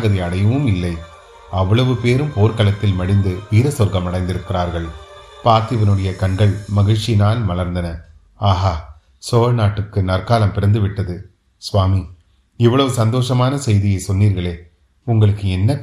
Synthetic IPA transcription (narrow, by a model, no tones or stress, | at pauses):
ɣɐðiɐɽɐjɯʋɯmɪlːɐɪ | ɐʋːɐɭɐʋɯpeːɾɯmpoːɾkɐlɐt̪ːɪlmɐɽɪnd̪ɯʋiːɾɐsɔɾɣɐmɐɽɐɪnd̪ɪɾɯkːɪɾaːɾɣɐɭpaːɾt̪ɪʋɐnɯɽɐjɐkɐɳɡɐɭmɐɣɪt͡ʃːɪnaːlmɐlɐɾnd̪ɐnɐ | aːɣaː | soːɻnaːʈːɯkːɯnɐrkaːlɐmpɪɾɐnd̪ɯʋɪʈːɐðɯ | sʋaːmi | ɪʋːɐɭɐʋɯsɐnd̪oːʂɐmaːnɐsɛjðɪjɐɪsɔnːiːɾɣɐɭeː | ʊŋɡɐɭɯkːɯɛnːɐk